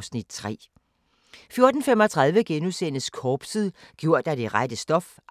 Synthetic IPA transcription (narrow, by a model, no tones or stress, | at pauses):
snid̥̚t͡sʰʁɛ̰ː | fjo̝ɐd̥n̩femɒ̽t͡sʰʁɑð̞ˠʋəɡ̥enusenəskʰɒːb̥siðˠɡ̥jo̝ɐ̰d̥ɑ̈d̥e̝ʁad̥əsd̥ɒ̽f